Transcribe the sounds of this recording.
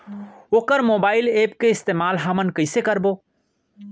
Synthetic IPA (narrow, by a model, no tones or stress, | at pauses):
oːkəɾmoːbaːɪleːpkeɪst̪eːmaːlɦəmənkəɪsekəɾbo